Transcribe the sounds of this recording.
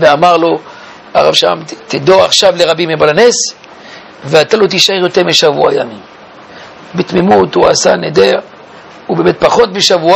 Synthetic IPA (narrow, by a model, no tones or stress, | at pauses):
veamaʁlo̞ | aʁa̰vʃaa̰mt̪id̪o̞aχʃavleʁabimebalanes | veat̪alo̞t̪̬iʃaeʁjo̞teʁmeʃavṵa̰jamim | bet̪mimut̪ua̰saned̪eʁ | ubemet̪̚paχo̞t̪̚beʃavua